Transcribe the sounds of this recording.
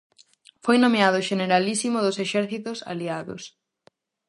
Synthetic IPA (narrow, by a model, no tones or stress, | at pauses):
fojnomeaðʊʃeneɾalisimoðʊseʃɛɾθit̪ʊsa̰liaðo̰s